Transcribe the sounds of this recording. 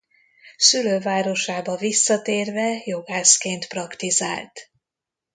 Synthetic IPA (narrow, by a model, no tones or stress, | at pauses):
syløːvaːɾo̞ʃaːbɒvisːɒt̪eːrvɛjo̞ɡaːskeːnt̪prɒkt̪iza̰ːlt̪